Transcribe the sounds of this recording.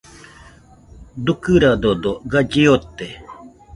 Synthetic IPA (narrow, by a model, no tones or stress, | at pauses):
d̪ukɯɾad̪od̪oɡad͡ʒiot̪ːe